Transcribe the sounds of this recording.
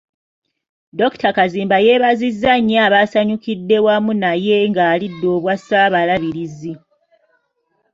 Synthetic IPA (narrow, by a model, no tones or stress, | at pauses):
do̞ktakaziːmbaje̞ːβazizːaɲːaːβaːsaɲukidːe̞wamunaje̞ŋɡaːlidːo̞ːβwasaːβalaβiɾizi